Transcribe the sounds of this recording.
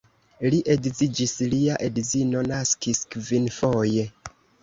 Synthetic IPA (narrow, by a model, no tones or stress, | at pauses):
liʔeɡzid͡ʒisliaʔedzino̞naskiskvinfo̞je̞